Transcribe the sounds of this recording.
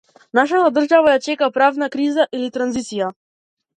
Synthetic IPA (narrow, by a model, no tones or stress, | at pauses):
naʃat̪ad̪r̩ʒavajat͡ʃɛkapɾavnakɾizaʔilit̪ɾanzit̪sija